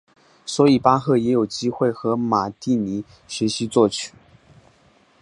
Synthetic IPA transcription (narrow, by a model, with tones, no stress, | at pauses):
swɔ˧˥i˨˩pa˥xɤ˥˩jɛ˧˥jo˨˩ʊt͡ɕi˥xwe˥˩ɪxɤ˧˥ma˨˩t̪i˥˩ni˧˥ | ɕɥɛ˧˥ɕi˧˥t͡swɔ˥˩t͡ɕʰy̥˨˩˦